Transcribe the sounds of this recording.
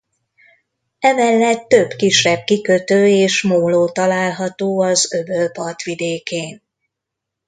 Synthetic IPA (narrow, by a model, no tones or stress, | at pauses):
ɛmɛlːɛt̪ːø̞bkiʃːɛb̚kikøt̪øːeːʃmoːloːt̪ɒlaːlɦɒt̪oːɒzøbølpɒrt̪ʋid̪eːkeːn